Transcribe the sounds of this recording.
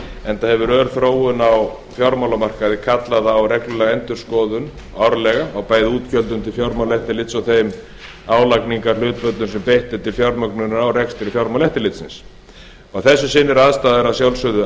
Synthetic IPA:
ɛnt̪ahɛvʏɾœːɾ̥θɾoːwʏnaw | fjɔɾmawlamar̥kaðɪkʰat̪laðawrɛklʏlɛɣɛnt̪ʏ̥skɔːðʏn | awɾlɛɣaːwpaːjðɪuːt̪cœlt̪̬ʏmt̪ʰɪlfjɔɾmawlɛht̪ɪlɪt̪sɔɣθejm | aːwlakniŋkaɾl̥ʏːt̪pœt̪lʏnsɛmpejht̪ɪt̪ʰɪlfjawɾmœknʏnawrɛkst̪ɪɾɪfjawɾmawlɛht̪ɪɾlɪt̪sɪ̰ns | ɔɣθɛsːʏsɪnːɪɾaːðst̪aːðɪɾasjawlsʏðʏ

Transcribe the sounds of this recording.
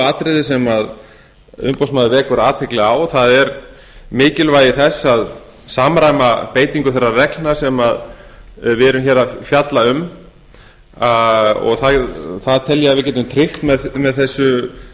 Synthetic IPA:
aːt̪ɾɪðɪsɛmað | ʏ̰mpowsmaðʏvɛːkʏɾaːt̪ʰɪklɪawθaðɛɾ | mɪːcɪlvaːjɪθɛsːað | saːmɾajmapeːjt̪iŋkʏθɛrːarɛklnḁsɛmað | vɪɛɾʏmçɛːɾafjat̪laʏm | aɔ̰ɣθaθaðt̪ʰɛljaavɪɾc̬ɛːt̪ʏmt̪ʰɾɪxt̪mɛðmɛðθɛsːʏ

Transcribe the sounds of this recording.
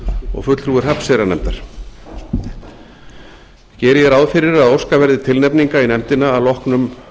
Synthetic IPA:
ɔ̰ɣfʏt̪lθɾuːɪr̥apsɛɾanɛmt̪aɾ̥ | cɛːɾɪjɛɾaːwðfɪɾɪɾaðowskavɛɾðɪt̪ʰɪlnɛpniŋkainɛmt̪ɪnaːlɔhknʏm

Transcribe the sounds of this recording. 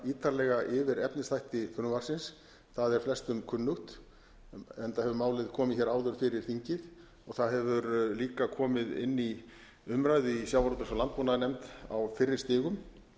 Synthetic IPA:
iːt̪ʰaɾlɛɣaʔɪvɪɾɛpnɪsθajht̪ɪfʏnʏvaɾ̥sɪns | θaðɛɾ̥flɛst̪ʏmkʰʏnːʏxt̪ | ɛnt̪ahɛvʏmaːwlɪðkʰɔːmɪçɛɾaːwðʏɾ̥fɪɾɪɾ̥θiɲcɪð | ɔɣθaðɦɛvʏɾliːkakʰɔːmɪðɪ̰nːi | ʏmɾajðɪisjawvaɾɔt̪ʏsalant̪̚pɔnaðnɛmt̪a̰wfɪrːɪɾ̥st̪ɪːɣʏm

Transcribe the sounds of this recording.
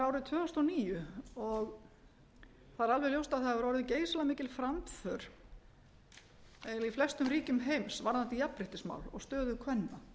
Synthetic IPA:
ɾaːwɾɪðt̪ʰvœːɔst̪ɔniːjʏɔɣ | θaðɾalvɛɣljowst̪aðθaðʏɾɔwɾʏðceːjslamɪːcɪlfɾamt̪fœɾ̥ | ɛiflɛst̪ʏmɾiːcʏmɦejmsvaɾðant̪ijapɾɪht̪ɪsma̰wlɔ̰ɣst̪œːðʏkʰvɛnːa

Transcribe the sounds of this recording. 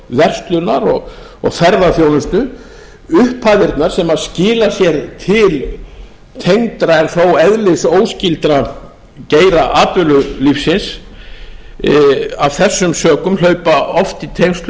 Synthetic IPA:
vɛr̥st̪lʏnaɾɔɣ | ɔ̰ɣθɛɾðaθjownʏst̪ʏ | ʏhpʰaðɪɾt̪naɾ̥sɛmaðscɪːlasjɛɾt̪ʰɪl | t̪ʰejŋt̪ɾaɛɾθowɛðlɪsoːwscɪlt̪ɾa | ceːjɾaʔaːpʏlʏlifsɪns | avθɛsːʏmsœːkʏmlœɥpaɔft̪it̪ʰejŋst̪l

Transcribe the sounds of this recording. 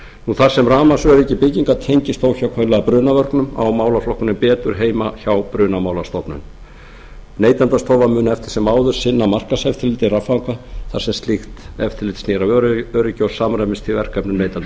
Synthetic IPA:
nuθaɾ̥sɛmraːmasœɾɪcːɪpɪciŋkat̪ʰejɲcɪst̪oːwçawkʰœjlɛɣapɾʏːnavœrknʏma̰wmaːwlaflɔhkʏnɪmpɛːt̪ʏɾ̥ɦeːjmaçawpɾʏːnamaːwlast̪ɔpnʏ̰n | neːjt̪ant̪ast̪ɔːwvamʏːnɛft̪ɪ̥sɛmːaːwðʏɾ̥sɪnːamar̥kasɛft̪ʰɪlɪt̪ɪrafaŋkvaθaɾ̥sɛmst̪lixt̪ɛft̪ʰɪlɪt̪sniːɾaœœɾɪcɔwsaːmɾajmɪnst̪ʰɪvɛr̥kɛpnʏmneːjt̪ant̪

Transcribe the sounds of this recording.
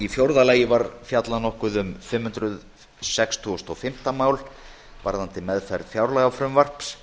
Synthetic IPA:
ifjowɾðalaːjɪvaɾfjat̪lanɔhkʏðʏmfɪmhʏnt̪ɾʏð | sɛkst̪ʰust̪ɔfɪm̥t̪amaːwl | vaɾðant̪ɪmɛðfɛjɾðfjawɾlajɣafɾʏmvar̥ps

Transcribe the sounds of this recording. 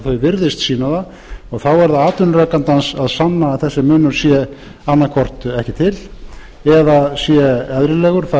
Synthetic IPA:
θœɥvɪɾðɪst̪siːnaða | ɔɣθawɛɾðaaːt̪ʏnrœːkant̪ansaðsanːaθɛsːɪmʏːnʏɾ̥sjɛ | anːakʰvɔr̥t̪ɛhcɪt̪ʰɪl | ɛðasjɛɛðɾɪlɛːɣʏɾ̥θa

